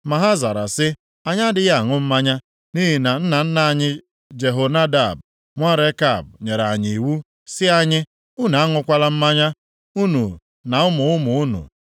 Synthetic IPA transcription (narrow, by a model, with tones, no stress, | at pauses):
ma˨ɦa˦za˨ɾa˨sɪ˦ | a˨ɲa˦dɪ˨ja˦˨ŋʊ˦m̩˦ma˦ɲa˦ | ni˦ɦi˨na˨n̩˦na˨n̩˦na˨a˦˨ɲɪ˦ | d͡ʒe˨ɦo˨na˦da˦˨b | ŋʷa˦ɾe˦ka˦˨bɲe˨ɾa˨ɲ˨i˨wu˦ | sɪ˦a˦ɲɪ˦ | u˦na˨a˦ŋʊ˨kʷa˦la˦m̩˦ma˦ɲa˦ | u˦nu˨ | na˨ʊ˦mʊ˨ʊ˦mʊ˨u˦nṵ˨